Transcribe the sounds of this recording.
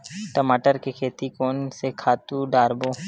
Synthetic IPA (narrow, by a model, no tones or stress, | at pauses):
ʈəmaːʈəɾkekʰeːt̪ikoːnsekʰaːt̪uɖaːɾboː